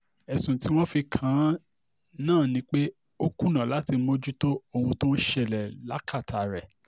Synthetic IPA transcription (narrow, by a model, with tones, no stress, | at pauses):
ɛ˨sũ˨ti˨˦w̃ɔ̃˦fi˧kʰã˨˦ | nãː˦˨nĩ˨˦k͡pe˦ | o˦ku˦nã˨la˨˦ti˧˦mo˦d͡ʒu˦to˦o˧hũ˧to˦ʃɛ˦˨lɛ˨la˨˦kʰa˦˨tʰa˨ɾɛ˨